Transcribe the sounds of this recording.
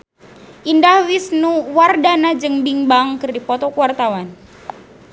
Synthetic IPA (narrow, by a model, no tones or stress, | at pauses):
ʔindahwisnuwardanad͡ʒɨŋbiŋbaŋkɨrdipɔt̪ɔkuwart̪awan